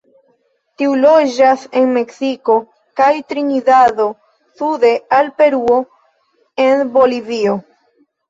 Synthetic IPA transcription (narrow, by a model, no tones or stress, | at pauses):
tiulod͡ʒase̞nme̞ksiko̞ | kajtɾinidaðo̞ | sude̞alpe̞ɾuo̞ | enbo̞livio̞